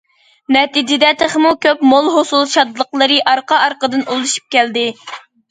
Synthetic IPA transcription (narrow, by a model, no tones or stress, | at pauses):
nɛt̪id͡ʒɪd̪ɛt̪ʰeχmukʲøpmolˠɦosulˠʃɑd̪lˠəqlˠəɾɨʔɑɾqɑɑɾqəd̪ɨnolˠuʃu̥p̚kʲɛld̪ɪ